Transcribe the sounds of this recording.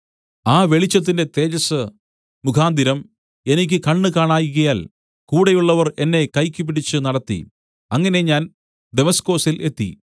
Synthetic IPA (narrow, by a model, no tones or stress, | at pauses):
aːʋe̞ɭit͡ɕːɐt̪ːindet̪e̞ːd͡ʑɐsɨ | mukʰaːnd̪iɾɐm | e̞nikʲːɨkɐɳːɨkaːɳaːjuɣɐjaːl | kuːɽejuɭːɐʋɐre̞nːe̞kɐjkʲːup̬ːiɽit͡ɕːɨnɐɽɐt̪ːḭ | ɐŋːɐne̞ɲaːn | d̪e̞mɐsko̞ːsilʔe̞t̪ːḭ